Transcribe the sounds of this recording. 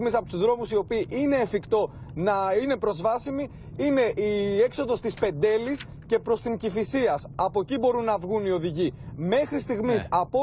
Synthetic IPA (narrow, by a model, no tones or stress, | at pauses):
misɐpot̪uzðɾo̞musio̞piːʔine̞ːfikt̪o̞nɐine̞pɾo̞zvɐsimi | ine̞ʔie̞kso̞ðo̞st̪ispe̞nd̪e̞lis | ce̞pɾo̞st̪iŋcifisiɐsɐpo̞cibo̞ɾunːɐvɣunio̞ðiʝime̞xɾist̪iɣmisɐpo